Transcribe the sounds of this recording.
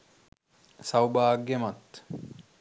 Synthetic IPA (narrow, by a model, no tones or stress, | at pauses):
sɐwbaːɡːemɐt̪ː